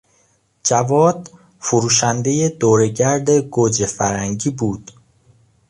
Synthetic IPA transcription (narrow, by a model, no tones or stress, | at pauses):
d͡ʒævɒːd̪̥ | fuɾuːʃænd̪e̞jed̪oːɾe̞ɟæɾd̪eɡod͡ʒefæɾæŋɟiːbuːd̪̥